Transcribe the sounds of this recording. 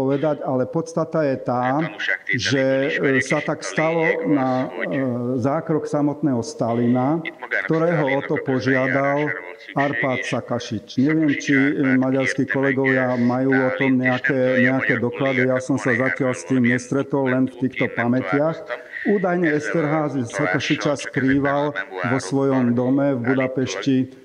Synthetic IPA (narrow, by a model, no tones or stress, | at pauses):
ɔʋɛd̪aɟalɛpɔt̪st̪at̪ajɛt̪aː | ʒɛsat̪akst̪alɔna | zaːkɾɔksamɔt̪nɛːɦɔst̪alinakt̪ɔɾɛːɦɔɔt̪ɔpɔʒɪad̪al | aɾpaːt̪sakaʃit͡ʃɲɛʋɪɛmt͡ʃimaɟaɾskiːkɔlɛɡɔʋɪamajuːɔt̪ɔmɲɛakɛːɲɛakɛːd̪ɔklad̪ijasɔmsazacɪaʎst̪iːmɲɛst̪ɾɛt̪ɔlːɛnft̪iːxt̪ɔpamɛcɪaxuːd̪ajɲɛɛst̪ɛɾɦaːzsakaʃit͡ʃaskɾiːʋalʋɔsʋɔjɔmd̪ɔmɛvbud̪apɛʃci